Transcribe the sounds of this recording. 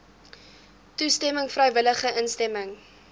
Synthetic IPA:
tustɛməŋfrœjvələχəʔənstɛməŋ

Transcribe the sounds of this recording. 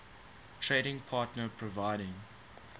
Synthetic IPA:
tʰɹeːɾɪ̃ŋpʰɑːˑtnəpʰɹɔvaɪɾɪ̃ŋ

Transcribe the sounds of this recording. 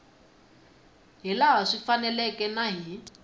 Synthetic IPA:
ɦilaɦaʂifanɛlɛkɛnaɦi

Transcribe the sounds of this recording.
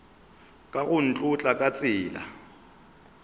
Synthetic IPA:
kʼaɣʊn̩t͡ɬʼʊt͡ɬʼakʼat͡sʼɪːla̰

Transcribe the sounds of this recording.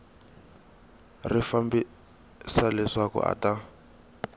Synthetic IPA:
rifambi | salɛʂakɔ̰ʔa̰tʼa

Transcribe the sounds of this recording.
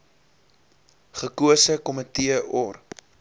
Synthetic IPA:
χəkuəsəkɔmətiəʔɔr

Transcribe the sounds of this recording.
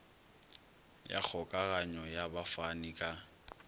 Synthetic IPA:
ja̰k͡xʰɔkʼaɣaɲɔjabafanikʼa

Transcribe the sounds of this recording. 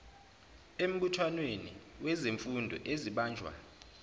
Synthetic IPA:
em̩ɓutʰwanwenḭwʔɛzeɱfundʱɔ̰ʔeziɓaːnd͡ʒʱwa̰

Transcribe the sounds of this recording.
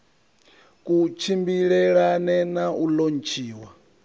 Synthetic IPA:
kut͡ʃʰimbiɺɛɺanɛnaʔulon̩t͡ʃʰiːwa

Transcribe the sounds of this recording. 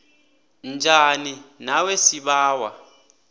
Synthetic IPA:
nd͡ʒʱaninawesiɓaːwa

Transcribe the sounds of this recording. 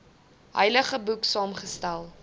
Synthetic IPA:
ɦə̰jləχəbuksɑːmχəstælˠ

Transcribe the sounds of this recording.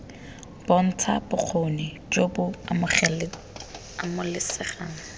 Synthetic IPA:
b̥ɔn̩t͡sʰabʊq͡χʰonɪt͡ʃʼobʊamʊχɛlɪ | amʊlɪsɪχaːŋ̩

